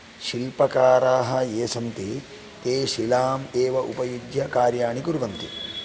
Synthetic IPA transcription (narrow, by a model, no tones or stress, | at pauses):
ʃilpɐkaːɾaːɦɐ̆eːsɐnt̪i | t̪eːʃilaːmeːʋɐʔupɐjudjɐkaːɾjaːɳikuɾuʋɐnt̪i